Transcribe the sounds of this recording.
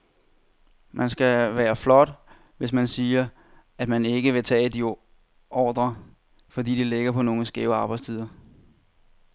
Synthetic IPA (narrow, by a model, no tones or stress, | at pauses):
mænsɡ̥æʋæːɐflɒ̽d̥ | ʋe̝s̬mænsiːɐ | æd̥mæne̝ɡ̥əʋe̝t͡sʰɛ̰ːd̥i | ʔɒːd̥ʁɐ | fɒ̽dḭːdile̝ɡ̥ɐpʰɒ̽no̝ːŋəsɡ̥ɛːʊɑ̈ːb̥ɑ̈ɪst͡sʰið̞ˠɐ